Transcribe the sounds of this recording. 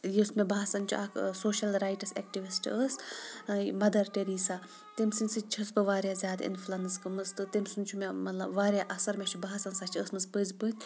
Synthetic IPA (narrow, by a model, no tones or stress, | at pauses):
jismebaɦasɐnt͡ʃʰuakʰsoːʃɐlɾaːjʈɐsḛkʈiʋisʈʰiəs | mɐd̪ɐɾʈeɾiːsa | t̪imsɨnʲsɨt͡ʃʰɐsbɨʋaːɾʲjazʲjaːd̪ḭnflɐnɨskɨmɨzt̪ɨt̪imsunʲt͡ʃʰumemɐt̪lɐbʋaːɾʲjaʔɐsɐɾmʲet͡ʃʰubaɦsɐnsaːt͡ʃʰiəsmɨspɨzʲbɨnʲ